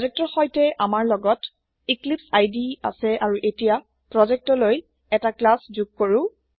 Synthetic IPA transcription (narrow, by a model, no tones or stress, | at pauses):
zɛk̚tɔɹxɔjtɛʔamaɹlɔɡɔt | iklipsajdia̰sɛʔaɹuʔetija | pɹɔzɛk̚tɔloj | ɛtaklaszuɡ̚koɹʊ̃